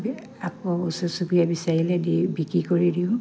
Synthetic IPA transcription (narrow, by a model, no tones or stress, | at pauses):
b | akɔɔbɔsɔsubijabisaɹilɛdibikɹikoɹidiʊ̃